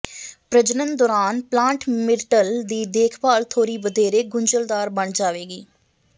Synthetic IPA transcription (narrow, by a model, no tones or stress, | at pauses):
pɾəd͡ʒnənd̪ɔːɾaːnplãːɳʈmɪɾʈəld̪iːd̪eːkʰbaːlt̪ʰoːɾiːbəd̪eːɾeːɡʊɲd͡ʒəld̪aːɾbəɳd͡ʒaːʋeːɡiː